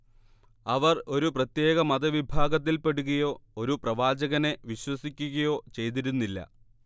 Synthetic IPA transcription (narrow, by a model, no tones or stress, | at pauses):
ɐʋɐro̞ɾuprɐt̪je̞ːɣɐmɐd̪ɐʋibʱaːɡɐt̪̬ːilpeɽuɣɐjo̞ːoɾuprɐʋaːd͡ʑɐɣɐne̞ʋiɕwɐsikʲːuɣɐjo̞ːt͡ɕe̞jt̪̬iɾunːilːɐ̰